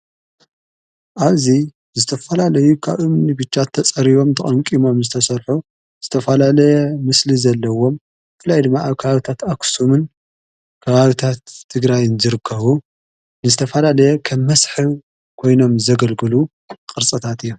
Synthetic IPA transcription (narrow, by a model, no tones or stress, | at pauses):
ʔaβzi | zɨt̪ʰɐfɐlalɐjukʰaβʔɨmnibɨt͡ʃːat̪ʰːɐt͡sʼɐɾiβo̞mt̪ʰɐχʼɐŋkʼimo̞mzɨt̪ʰɐsɐɾħu | z̥ɨt̪ʰɐfɐlalɐjɛmɨslizɐlːɐwo̞m | bɨfɨlajd̪ɨmːaʔaβkʰɐβaβit̪ʰat̪aksumɨn | kʰɐβaβit̪ʰat̪ʰːɨɡɾajɨnzɨɾɨkʰːɐβu | nɨzɨt̪ʰɐfɐlalɐjɛkʰɐmːɐsħɨ | kʰo̞jno̞mzɐɡɐlɡɨlu | kʼɨɾt͡sʼɨt̪ʰat̪ɨjːom